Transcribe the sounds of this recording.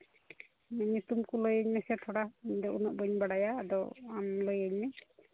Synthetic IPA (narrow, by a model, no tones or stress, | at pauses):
mɛɲit̪umkulojəɲmɛsɛʈʰɔɽaiɲd̪ɔʔunɔʔ̚bəɲbaɽajaːd̪ɔ̰amlojaɲmɛ